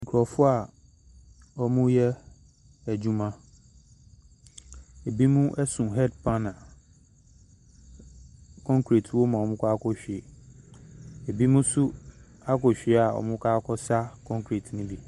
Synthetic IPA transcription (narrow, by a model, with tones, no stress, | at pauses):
ŋ̩˨kʰɾɔ˨fʊ˦a˨ | ɔ˦mũ˦jɛ˦ | æ˨d͡ʑũ˦mã˦ | e˨bi˦mũ˦ʔɛ˦sũ˨ɦɛ˦dpʰã˦nã˨ | kʰɔ̃˦ŋkʰɾi˨tʰwo˦mã˨ɔ˨mʊ̃˦kʰʷa˦kʰɔ˦ɕᶣi˨e˨ | e˨bi˦mũ˦su˦ | a˦kɔ˨ɕᶣi˨e˨˦a˨ɔ̰˨mʊ̃˦kʰaː˦kʰɔ˦sa˦kʰɔ̃˦ŋkʰɾi˨tʰnũ˦bi˦